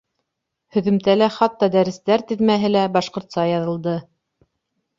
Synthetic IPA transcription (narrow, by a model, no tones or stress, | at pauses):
hɵ̆ðɵ̆mt̪ælæχɑt̪ːɑd̪æɾɘ̆st̪æɾt̪ɘ̆ðmæɦɘlæbɑʃqŏɾt̪sɑjɑðɤ̆lˠd̪ɤ